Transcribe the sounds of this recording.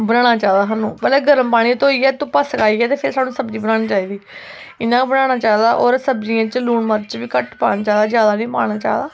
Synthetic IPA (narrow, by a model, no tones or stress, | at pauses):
bənaːɽ̃aːt͡ʃaːd̪aːɦaːnũːbəlɛːɡəɾəmpaːɽ̃ĩːt̪oːiːɛːt̪ũːpəskaːiːɛːt̪eːpʰɪɾsaːnũːsəbd͡ʒiːbənaːɽ̃iːt͡ʃaːiːd̪iː | ɪnːãːbəɽaːɽ̃aːt͡ʃaːd̪aːʔɔːɾsəbd͡ʒɪjãːt͡ʃluːɳməːɾt͡ʃʋiːkəʈpa̰ːnaːt͡ʃaːd̪aːd͡ʒjaːd̪aːnĩːpa̰ːɽ̃aːt͡ʃa̰ːd̪aː